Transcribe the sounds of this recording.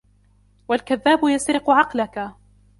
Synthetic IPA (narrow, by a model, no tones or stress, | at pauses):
walkaðːaːbʊjasɾɪqʊʕɑqlaka